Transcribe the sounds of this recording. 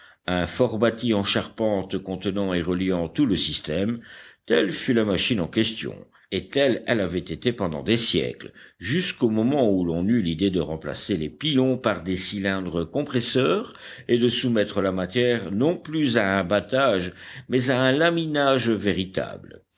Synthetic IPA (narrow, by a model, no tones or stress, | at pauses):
ɛ̃fɔʁbat̪iɑ̃ʃaʁpɑ̃t̪kɔ̃t̪ənɑ̃eʁəljɑ̃t̪uləsist̪ɛmt̪ɛlfylamaʃinɑ̃kʲɛst̪jɔ̰̃ | et̪ɛlɛlavɛt̪et̪epɑ̃d̪ɑ̰̃d̪esjɛ̰klʒyskomɔmɑ̃ulɔ̃nylid̪ed̪əʁɑ̃pla̰selepilɔ̃paʁd̪esilɛ̃d̪ʁəkɔ̃pχɛsœːʁed̪əsumɛt̪χəlamat̪jɛʁnɔ̃plyzaɛ̃bat̪aʒmɛzaɛ̃laminaʒveʁit̪a̰blə